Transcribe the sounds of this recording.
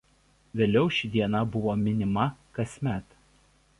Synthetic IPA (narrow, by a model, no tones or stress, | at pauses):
ʋʲeːlʲɛʊʃʲɪd̪ʲiɛnɐbʊʋoːmʲɪnʲɪmɐkɐsʲmʲæt̪